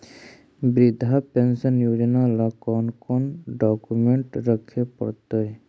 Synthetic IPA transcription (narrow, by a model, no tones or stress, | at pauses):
bɾɪd̪ʱapensənjoːd͡ʒnalakɔːnkɔnɖɔkumeɳʈɾəkʰːepəɽt̪oe